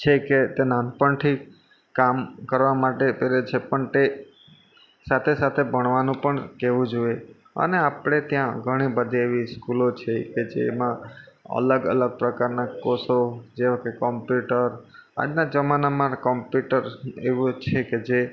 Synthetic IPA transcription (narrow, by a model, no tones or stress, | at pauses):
t͡ʃʰeket̪enanpəɳʈʰi | kamkəɾʋamaʈepeɾet͡ʃʰepəɳt̪e | sat̪ʰesat̪ʰebʱəɳ̃ʋanũpəɳkeʋũd͡ʒue | ə̰neapɽ̃et̪jãɡʱəɽ̃ibəd̪ʱieʋiskulot͡ʃʰeked͡ʒḛmãə̰ləɡə̰ləɡ̚pɾəkaɾnakosod͡ʒeokekɔmpjuʈəɾa̰d͡ʒnad͡ʒəmanamãkɔmpjuʈəɾeʋũt͡ʃʰeked͡ʒe